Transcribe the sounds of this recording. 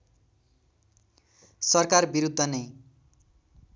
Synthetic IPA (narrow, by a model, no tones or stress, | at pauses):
sʌrkarbiɾud̪ʱːʌnʌj